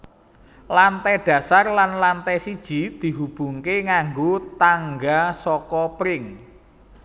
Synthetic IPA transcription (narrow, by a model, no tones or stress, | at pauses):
lant̪ɛɖ̪̥ä̤sarlanlant̪ɛsid̥ʒ̥i̤d̪̥i̤ɦub̥ṳŋkeŋaŋɡot̪aŋɡasɔkɔpɾɪŋ